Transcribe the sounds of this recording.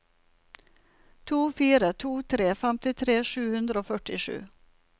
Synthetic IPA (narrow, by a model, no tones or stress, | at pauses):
t̪ʰuːfiːɾət̪ʰuːt̪ʰɾeːfɛmt̪ɪt̪ʰɾeːʂʉːhʉnd̪ɾəoːfœʈɪʂʉ̰ː